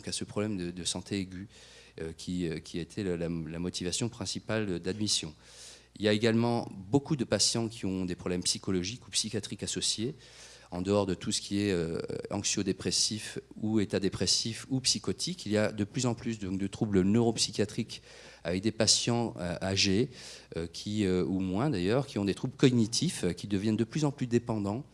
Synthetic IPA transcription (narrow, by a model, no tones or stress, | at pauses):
kasəpχɔblɛmd̪əd̪əsɑ̃t̪ʰeeɡʲy | økʲʰiøkʲiaet̪ʰellalamɔt̪ivasjɔ̃pχɛ̃sipald̪ad̪misjɔ̃ | iljaeɡalmɑ̃bokud̪əpasjɑ̃kʲʰiɔ̃d̪epχɔblɛmpsikɔlɔʒikupsikʲjat̪χikasɔsje | ɑ̃d̪əɔʁd̪ət̪ʰusə̥kʲiɛøɑ̃ksjod̪epχesifuet̪ad̪epχesifupsikɔt̪ʰikilijad̪əplyzɑ̃plys̬d̪ɔ̃kd̪ət̪χublənøʁopsikʲjat̪χik | avɛk̚d̪epasjɑ̃ʔaʒeøkʲʰiøumwɛ̃d̪ajœʁkʲiɔ̃d̪et̪χublkɔɡnit̪ʰifkʲid̪əvjɛnd̪əplyzɑ̃plyd̪epɑ̃d̪ɑ̃